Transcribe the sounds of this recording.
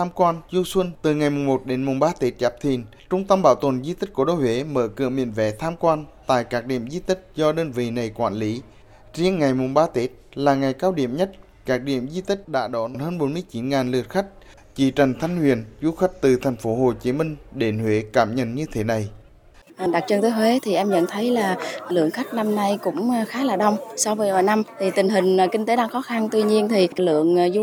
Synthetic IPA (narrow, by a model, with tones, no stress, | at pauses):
t̪ʰaː˧mkwaː˧nzu˧swə˧nt̪ɨ˨˩ŋa˨˩jmʊ˨˩ŋ͡mmo˨˩t̚ɗe˨˦nmʊ˨˩ŋ͡mɓaː˧t̪e˦˥t̚t͡ɕaː˨˦˥p̚t̪ʰḭ˧˨ən | t͡ɕʊ˧ŋ͡mt̪ə˧mɓaː˧˩wt̪ə˨˩nzi˧t̪i˦˥k̟̚ku˧˩əɗo˧˦jhwe˨˦məː˧˩kɨ̰˧˨əmḭ˧˨ənvɛ̰˨˦t̪ʰaː˧mkwaː˧nt̪a̰ː˧˨jkaː˦˥k̚ɗḭ˧˨əmzi˧t̪ï˦˥k̚zɔ˧ɗəː˧nvḭ˧˨na˨˩jkwaː˧˨nli˨˦ | zi˧əŋŋa˨˩jmʊ˨˩ŋ͡mɓaː˧t̪e˦˥t̚laː˨˩ŋa˨˩jkaː˧wɗḭ˧˨əmɲə˦˥t̚ | kaː˦˥k̚ɗḭ˧˨əmzi˧t̪ï˦˥k̟̚ɗa̰ː˧˥ɗɔ˨˦n˦nhəː˧nɓo˨˦nmɨ˧əjt͡ɕi˨˦nŋaː˨˩nlɨ˨˩ət̚xa˦˥k̟̚ | t͡ɕḭ˧˩t͡ɕa˨˩jŋ̟t̪ʰa˧jŋ̟hwḭ˧˨ənzu˨˦xa˦˥jk̟̚t̪ɨ˨˩t̪ʰɛ˨˩ŋ̟fo˨˦ɦo˨˩t͡ɕi˨˦mï˧ŋ̟ɗe˨˩nhwḛ˧˦kaː˧˩mɲə̰˧˨nɲɨ˧t̪ʰe˨˦na˨˩j | ɗa˨˩t̚t͡ɕə˧nt̪əː˨˦jɦwe˨˦t̪ʰi˨˩ʔɛ˧mɲə̰˧˨nt̪ʰə˨˦jlaː˨˩lɨ̰˧˨əŋxa˦˥jk̟̚na˧mna˧jkʊ̰˧˥ŋ͡mxaː˨˦laː˨˩ɗə˧wŋ͡msa˧wvəː˨˦jɗaː˧˨˩jna˧mt̪ʰi˨˩t̪ï˨˩ŋ̟ɦï˨˩ŋ̟˨˩kï˧ŋ̟t̪e˨˦ɗaː˧ŋxɔ˨˦xa˧nt̪wi˧ɲi˧ənt̪ʰi˨˩lɨ̰˧˨əŋzu˧